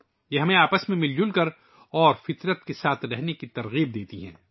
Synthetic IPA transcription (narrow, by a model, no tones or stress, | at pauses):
jeɦɐmẽaːpəsmẽmɪld͡ʒʊlkɐɾ | ɔːɾfɪt̪ɾət̪kesaːt̪ʰɾɛɦnekit̪ɐɾɣiːb̚d̪eːt̪iɦɛ̰̃ː